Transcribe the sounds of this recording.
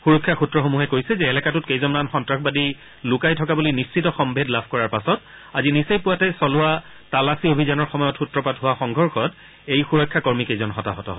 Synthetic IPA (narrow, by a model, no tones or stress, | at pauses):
xuɹɔkʰːjaxutɹɔxomuɦɛkoɹjsɛzɛːlɛkatʊt̚kejzɔnanxɔntɹaxbadi | lʊkajtʰɔkabulinist͡ʃitɔxɔmbʱedlabʱkɔɹaɹpasɔt | azinisejpʊwatɛsɔlʊa | talasiobʱizanɔɹxɔmɔjɔtxutɹɔpatɦʊwaxɔŋɡʱɔɹxɔt | ejxuɹɔkʰːakɔɹmikejzɔnxɔta̰ɦɔtɔ̰ɦɔ̰